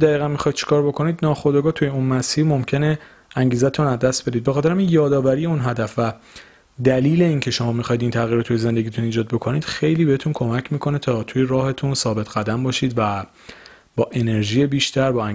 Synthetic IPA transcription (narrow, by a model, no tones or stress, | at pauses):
d̪æɣiːɣænmixɒːjid̪̚t͡ʃʰi̥kʰɒːɾbo̞kʰo̞niːd̪nɒːxod̪ɒɡɒːt̪ʰujeunmæsiːɾmo̞mcʰe̞ne | æŋɟiːzæt̪ʰunæzd̪æst̪̚be̞d̪id̪bexɒːt̪ʰeɾæminjɒːd̪ɒːvæɾije̞unɦæd̪æfvæ | d̪æliːle̞iŋcʰe̞ʃo̞mɒːmixɒjid̪iːnt̪ʰæɣiɾɑt̪ʰːujeze̞nd̪e̞ɡit̪ʰuniːd͡ʒɒːd̪̚bo̞kʰo̞niːd̪̥xe̞jliːbe̞het̪ʰunkʰo̞mæcʰmiːkʰo̞ne̞t̪ʰɒːt̪ʰujeɾɒːhe̞t̪ʰunsɒːbe̞t̪ʰɡæd̪æmbɒːʃiːd̪væ | bɒːʔe̞ne̞ɾʒiːjebiːʃt̪ʰæɾbɒːæ